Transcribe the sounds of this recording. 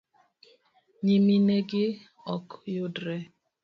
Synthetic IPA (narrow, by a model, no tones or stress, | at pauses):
ɲimineɡɪ | ɔkjʊdɾɛ